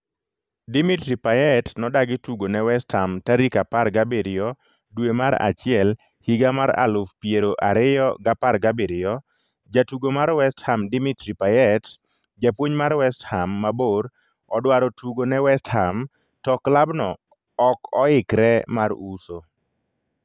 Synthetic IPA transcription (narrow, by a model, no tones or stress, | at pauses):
dimitɾipajɛtnɔdaɡɪtuɡonɛwɛsthamtaɾikaparɡabeɾɪjɔ | dwemaɾa̰t͡ʃɪɛl | hiɡamaɾa̰lʊfpieɾoʔaɾɪjɔ̰ɡaparɡabeɾɪjɔ | d͡ʒatuɡomaɾwɛsthamdimitɾipajɛt | d͡ʒapwoɲmaɾwɛsthamːaboɾ | ɔdwaɾɔtuɡonɛwɛstham | tɔklabnɔː | kɔɪkɾɛmaɾuso